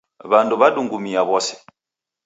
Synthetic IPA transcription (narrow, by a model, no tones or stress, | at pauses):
βanduβaduŋɡumiaβɔsɛ̥